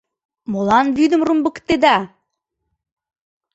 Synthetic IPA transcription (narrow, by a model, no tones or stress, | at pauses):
molɑnβyd̪ə̆mrumbəkt̪ed̪ɑ